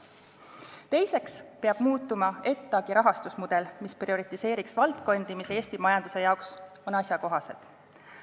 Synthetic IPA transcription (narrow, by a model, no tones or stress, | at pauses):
t̪e̞jse̞kspeɑb̥muːt̪ːˑumɑe̞t̪ːˑɑɡ̥iɾɑɦɑst̪usmud̪̥e̞lmisprio̞ɾit̪ˑise̞ːɾiksvɑlt̪ko̞nd̪̥imise̞ːsʲt̪imɑjɑnd̪̥u̥se̞jɑoks | o̞nɑsjɑko̞ɦɑse̞̰t̪